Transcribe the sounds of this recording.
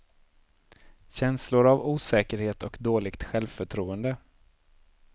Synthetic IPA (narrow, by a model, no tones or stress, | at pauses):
ɕɛnslʊɾavuːsɛːkəɾheːt̪ɔkd̪oːlɪɡt̪ɧɛlvfœʈʰɾuːənd̪ə